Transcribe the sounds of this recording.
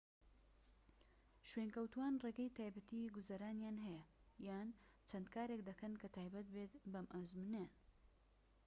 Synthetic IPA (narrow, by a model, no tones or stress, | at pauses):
ʃwenkɐwt̪uwaːnreːɡɐjt̪ʰaːjbɐt̪iɡʊzɐɾaːnjaːnɦɛjɐjaːn | t͡ʃʰɐnd̪kʰaːɾekd̪ɐkɐnkɐt̪ʰaːjbɐt̪̚bet̪bɐmʔazmunean